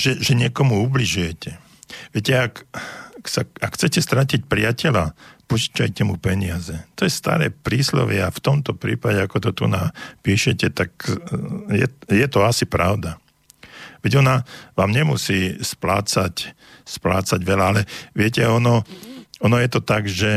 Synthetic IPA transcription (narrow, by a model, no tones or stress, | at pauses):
ʒ̥ɛʒɛɲɪɛkɔmuubliʒujɛcɛ | ʋɪɛcɛak | saakxt͡sɛcɛst̪ɾacic̚pɾɪacɛla̰put͡ʃcajcɛmupɛɲɪazɛt̪ɔjɛst̪a̰ɾɛ̰ːpɾiːslɔ̰ʋɪɛaft̪ɔmt̪ɔpɾḭːpaɟɛakɔt̪ɔt̪ṵnaːpiːʃɛcɛt̪ak | jɛjɛt̪ɔasipɾa̰ʊd̪a | ʋɛɟɔnaʋaːmɲɛmusiːsplaːt͡sac | splaːt͡saɟʋɛlaalɛʋɪɛcɛɔnɔɔnɔjɛt̪ɔt̪aɡʒɛ